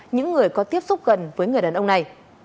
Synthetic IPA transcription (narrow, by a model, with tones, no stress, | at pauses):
ɲɨ̰˧˥ŋːɨ˨˩əjkɔ˨˦t̪i˦˥əp̚sʊ˦˥k͡p̚ɣə̰˧˨nvəː˨˦jŋ˨˩əjɗaː˨˩nʔə˧wŋ͡mna˨˩j